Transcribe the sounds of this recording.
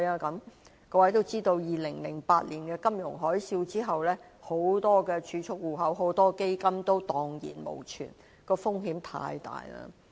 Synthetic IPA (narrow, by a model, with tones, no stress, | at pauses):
jaː˧kɐ˨˧˥m | kɔː˧wɐ˨˥jt̪o˥wt͡siː˥t̪o˧wjiː˨˩lɪ˨˩ŋlɪ˨˩ŋpaː˧t̚liː˨˩nkɛː˧kɐ˥mjʊ˨˩ŋɦɔː˨˥jsiː˧wt͡siː˥ɦɐ˨wlɛː˥ | ho˨˥wt̪ɔː˥kɛː˧t͡ʃʰyː˨˧t͡ʃʰʊ˥k̚wuː˨˩ɦɐ˨˥wɦo˨˥wt̪ɔː˥ke˥jkɐ˥mt̪o˥wt̪ɔː˨ŋjḭː˨˩nmo̰˨˩wt͡ʃʰy̰ː˨˩n | kɔː˧fʊ˥ŋɦiː˨˥mt̪ʰa̰ː˧jt̪a̰ː˨jla̰ː˧